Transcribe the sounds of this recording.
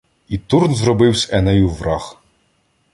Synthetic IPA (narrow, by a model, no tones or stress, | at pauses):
it̪urnzrɔbɪwsʲɛnɛjuʋrɑx